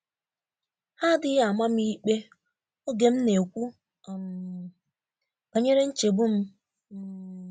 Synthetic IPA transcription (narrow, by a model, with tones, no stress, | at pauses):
ha˦dɪ˦ja˨ma˦m̩˦i˦k͡pe˦ | o˦ɡe˨m̩˦ne˨kʷu˦˨ | o˨ɲe˦ɾe˦n̩˦t͡ʃe˨bu˦m̩˦